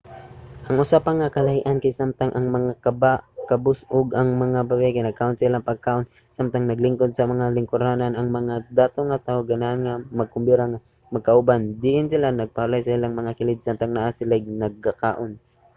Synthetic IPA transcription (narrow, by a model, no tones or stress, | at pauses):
ʔɐŋʔʊsapaŋakɐlɐhɪʔankajsamt̪aŋʔɐŋmɐŋakabakɐbʊsʔʊɡɐŋmɐŋababɛkɛnɐɡ̚kaʔonsɐɪlaŋpɐɡ̚kaːʔon | samt̪aŋnɐɡlɪŋkod̪̚sɐmɐŋalɪŋkʊɾananɐŋmɐŋad̪aːt̪oŋat̪aʔoɡanaʔanŋamɐɡ̚kʊmbiɾaŋa | mɐɡ̚kaʔʊband̪ɪʔɪnsɪlanɐɡ̚pahalajsɐɪlaŋmɐŋakɪlɪd̪̚samt̪aŋnaʔasɪlaɪɡ̚nɐɡ̚kakaːʔon